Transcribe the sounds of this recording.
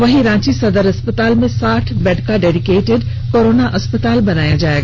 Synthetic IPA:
ʋɐɦiɾãːt͡ɕisɐd̪əɾɐspət̪aːlmẽsaːʈʰbɛːɖkaɖeːɖikeːʈɪɖ | koːɾoːnaʔɐspət̪aːlbɐnaːjad͡ʑaːeɡa

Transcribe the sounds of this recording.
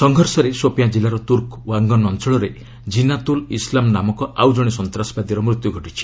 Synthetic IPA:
sɔŋɡʱɔɾsɔɾesopijad͡ʒilaɾɔt̪uɾkaŋɡɔnɔnt͡ʃɔɭɔɾe | d͡ʒinat̪ulislamnamɔkɔawd͡ʒɔɽ̃isɔnt̪ɾasɔ̥bad̪iɾɔmɾut̪juɡʱɔʈit͡ʃʰi̥

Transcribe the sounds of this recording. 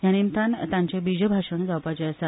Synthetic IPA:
ɦjanimt̪ʰãnt̪ãɲt͡ɕebid͡ʑəbʱaʂəɳ̃d͡zawpat͡ɕesa

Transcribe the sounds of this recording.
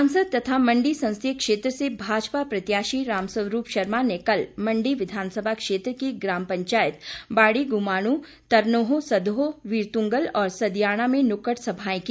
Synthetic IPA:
ãnsəd̪̚t̪ɐt̪ʰamɐ̃ɳɖisɐ̃w̃st̪ʰekʃeːt̪ɾəsebʱaːd͡ʒpapɾɐt̪jaːʃiɾaːmsəʋɾuːpʃɐɾmanekɐlmɐ̃ɳɖiʋɪd̪ʱaːnsəbʱakʃeːt̪ɾəkiɡɾaːmpɐ̃ɲt͡ʃaːjɪt̪baːɽiɡʊmaːɽ̃ũ | t̪ɐɾnoːɦõsɐd̪ʱɦoʋiːɾt̪ũŋɡəlɔːɾsɐd̪jaːɽ̃amẽnʊkəʈsɐbʱaːẽki

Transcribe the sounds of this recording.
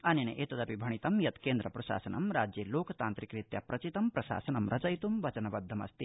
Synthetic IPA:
ɐninḛʔeːt̪ɐd̪ɐpibʱɐɳit̪ɐmjɐt̪keːnd̪ɾɐpɾɐʃa̰ːsɐnɐ̰mɾaːd͡ʒjeːloːkʰɐt̪aːnt̪ɾikɾit̪jɐpɾɐt͡ʃit̪ɐmpɾɐʃa̰ːsɐnɐmɾʔɐt͡ʃɐjt̪umʋɐt͡ʃɐnɐʋɐd̪ʱːɐmɐ̰st̪i

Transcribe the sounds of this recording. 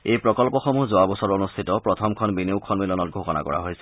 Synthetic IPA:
ejpɹɔkɔlpɔxɔmuzoabɔsɔɹonustʰitɔpɹɔtʰɔmkʰɔnbineʊkʰɔnmilɔnɔt̚ɡʱoxɔna̰kɔ̰ɹa̰ɦojsɛ

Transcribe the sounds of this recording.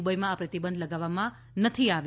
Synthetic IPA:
bəjmãːpɾət̪ibənd̪ləɡaʋːamã | nət̪ʰiaʋ

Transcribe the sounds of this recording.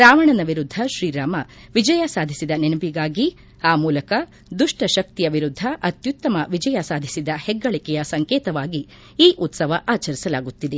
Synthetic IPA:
ɾaːʋɐɳɐnɐʋiɾud̪ʱːɐʃɾiːɾaːmɐʋid͡ʒɐjɐsaːd̪ʱisid̪ɐnenɐbiɡaːɡi | aːmuːlɐkɐ | d̪uʂʈɐʃɐk̚t̪ijɐʋiɾud̪ʱːɐʔɐt̪jut̪ːɐmɐʋid͡ʒɐjɐsaːd̪ʱisid̪ɐhɛɡːɐɭikɛjɐsɐŋkeːt̪ɐʋaːɡi | iːʔut̪sɐʋɐʔaːt͡ʃɐɾisɐlaːɡut̪ːid̪e

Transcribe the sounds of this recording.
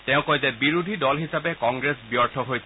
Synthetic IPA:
tɛʊ̃kɔjzɛbiɹud̪ʱidɔlɦisapekɔŋɡɹesbiɔɹt̪ʰɔɦojsʰ

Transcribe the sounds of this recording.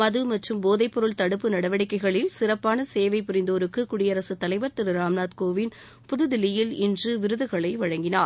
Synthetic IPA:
mɐðɯmɐʈrɯmboːðɐɪpːɔɾɯɭt̪ɐɽɯpːɯnɐɽɐʋɐɽɪkːɐɪɣɐɭɪlsɪrɐpːaːnɐseːʋɐɪpʊɾɪnd̪oːɾɯkːɯkʊɽɪjɐɾɐsɯt̪ːɐlɐɪʋɐɾt̪ɪɾɯɾaːmnaːt̪̚koːʋɪn | pʊðɯðɪlɪjɪlɪndrɯʋɪɾɯðɯɣɐɭɐɪʋɐɻɐŋɡɪnaːɾ

